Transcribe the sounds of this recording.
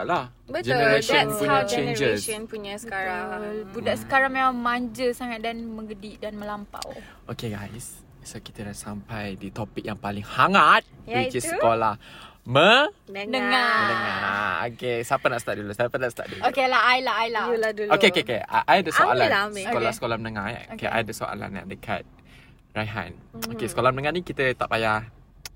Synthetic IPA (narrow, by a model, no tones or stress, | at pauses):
aʔlah | bəd͡ʒɛnəɾaʃənpuɲat͡ʃend͡ʒəsənpuɲasəkaɾabudaʔsə̥kaɾaŋmemaŋmaɲd͡ʒəsaŋat̪̚danmə̃ŋɡədiʔdanməlampa̰w | ʔokeɡajs | soki̥t̪ədasampajdit̪ɔpik̚jaŋpalɪŋhaŋat̪̚wit͡ʃissəkolahmənəŋamənəŋa̰o̰kesapanaʔsət̪aʔ̚dulusapanaʔsət̪a̰ʔdulokelaajlaajlaaduokeokekea̰ʔajdəsoalasəkolasə̥kolamənəŋaokeʔa̰jdəso̰ʔa̰la̰na̰ʔdəkʰa̰t̪̚ | rajɦa̰nokesə̥kolamənəŋanikit̪ət̪ap̚aja